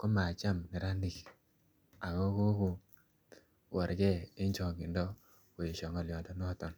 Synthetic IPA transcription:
kɔ˦ma˨t͡ʃa˦mni˨ɾa˦ndi˨k | a˨ɡɔ˦ko˦ko˨ | wɔ˨ɾɡɛ˦ɪ˦ɲt͡ʃɔ˨ɡi˨ndɔ˦ | kʊ˨e˨ʃɔ˨ŋɔ˨lɪjɔ˨dɔ˦nɔ˦tɔ˨n

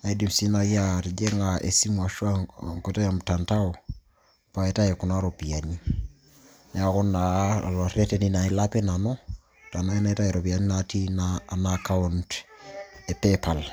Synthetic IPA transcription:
a˨i˦di˨msi˦na˨ja˦ti˨d͡ʒe˦ŋa˨ʔḛ˨si˦mua˨ʃu˦a˦ŋko˨ta˦ja˨mta˨nta˦o | pa˨eta˦e˨ku˨na˦ɾo˨pi˨a˨ni | na˨ku˦nːa˨lo˨ɾe˦tenina˨i˦lape˦na˨nɔ˦ | ta˨na˦i˦na˦e˦ta˦ɛ˨ɾo˨bia˨ni˦nati˦naːnaka˦unt | epepa˨l

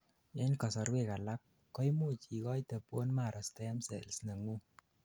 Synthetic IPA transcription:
e˦nkɔ˨sɔ˨ɾwe˦˨ka˨la˦p̚ | kɔ˦jmu˦˨t͡ʃi˨kɔ˦jtə˨pwɔ˦nma˨ɾʔɔ˨stɛ˦msɛ̰˨lsna˨ŋu˦

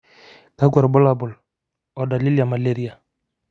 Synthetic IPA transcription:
ka˦ɡwa˨ɾbʊ˦la˨bʊ˨l | ɔ˨da˨li˦lja˨ma˨le˦ɾi˦a˨

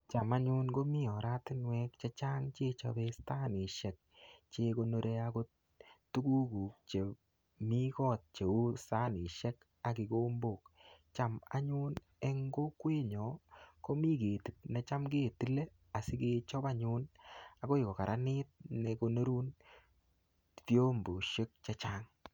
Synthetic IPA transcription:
t͡ʃa˨ma˦ɲʊ˦nɡo˦mi˦ɔ˨ɾa˦tɪ˦nwɛ˦k̚t͡ʃɛ˦t͡ʃa˦ŋt͡ʃe˦t͡ʃa̰˧be˦sta˦nɪ˨ʃɛ˨k̚t͡ʃe˧ko˧no˦ɾʔe˦ako˦ | tu˦ku˦ku˨k̚t͡ʃe˨ | mi˦kɔ˦t̚t͡ʃe˨u˦sa˦nɪ˨ʃɛ˦k | a˨kɪ˨ko˦mbo˨k̚t͡ʃa˨ma̰˦ɲu˦n | e˦ŋɡo˦kwe˦ɲɔ˨ko˦mi˦ke˨ti˨p̚nɛ˨t͡ʃa˦mɡe˦˨ti˦le˦ | a˨sɪ˦ke˧t͡ʃɔ˦pa˦ɲʊ˦na˨ko˦ɪ˨kɔ˨ka˨ɾʔa˦nɪ˦t̚ne˨ko˧no˦ɾu˦n | po˦mbo˨ʃe˦k̚t͡ʃa˦t͡ʃa˦ŋ

